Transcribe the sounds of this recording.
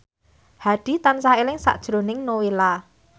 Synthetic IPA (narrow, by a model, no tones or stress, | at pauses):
haɖ̥i̤t̪ansaelɪŋsa̰ʔd̥ʒ̥ɾo̤nɪŋnowela